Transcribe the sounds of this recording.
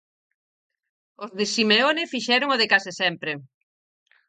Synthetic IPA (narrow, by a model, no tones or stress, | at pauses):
ʊzðɪsimeonɪfiʃɛɾʊŋoðɪkasɪsɛmpɾɪ